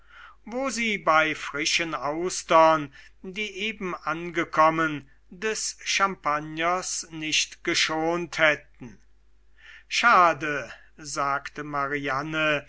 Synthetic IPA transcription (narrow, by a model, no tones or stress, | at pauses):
voːziːbaɪfʁɪʃənaʊstɐn | diːʔeːbm̩ʔanɡəkʰɔmən | dɛsʃampanjɐsnɪʃtɡ̥əʃoːnthɛtn̩ | ʃaːdə | zaːktəmaʁianə